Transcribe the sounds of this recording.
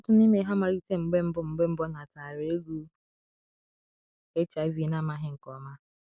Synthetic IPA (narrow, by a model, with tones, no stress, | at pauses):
ɔ˦tʊ˦ni˦me˨˦ɦa˦ma˨ɾi˦te˦ŋ͡m̩˨ɡ͡be˦m̩˦bʊ˦ŋ͡m̩˨ɡ͡be˦m̩˦bɔ˦na˨ta˨ɾe˨˦e˦ɡu˦ | e˦t͡ʃa˨˦vi˦na˦ma˦ɦɪ˦ŋ̩˨kɔ˨ma˦